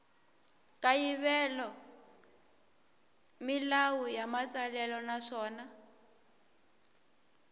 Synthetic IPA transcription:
kʼajiβɛlɔ | milawujamat͡sʼalɛlɔnaʂɔːna

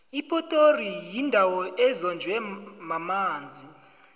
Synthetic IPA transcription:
ipʼɔtʼorijindʱawɔʔɛzɔnd͡ʒʱwɛmamaːnd͡zʱi

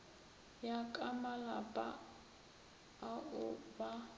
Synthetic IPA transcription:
jakʼamalapʼa | aʊba

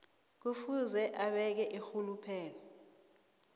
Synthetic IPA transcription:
k̬ufuzɛʔaɓɛk̬ɛʔixulupʰɛːlɔ

